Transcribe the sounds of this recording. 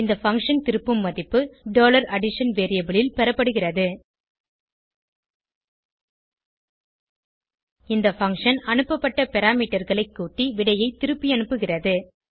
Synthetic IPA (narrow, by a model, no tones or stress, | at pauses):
ɪnd̪ɐfɐŋkʂɐnt̪ɪɾɯpːɯmːɐðɪpːɯɖoːlɐɾɐɽɪʂɐnʋeːɾɪjɐbɪɭɪlpɛɾɐpːɐɽɯɣɪrɐðɯ | ɪnd̪ɐfɐŋʂɐnɐɳɯpːɐpːɐʈːɐpɛɾaːmiːʈːɐɾɣɐɭɐɪkːuːʈːiʋɪɽɐjɐɪt̪ːɪɾɯpːiɐɳɯpːɯɣɪrɐðɯ